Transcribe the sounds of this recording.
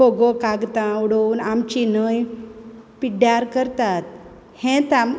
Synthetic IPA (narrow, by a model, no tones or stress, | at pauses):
oɡokaɡt̪ãuɽounamt͡ɕinəj | piɖjaɾkəɾt̪at̪̚ | hẽt̪am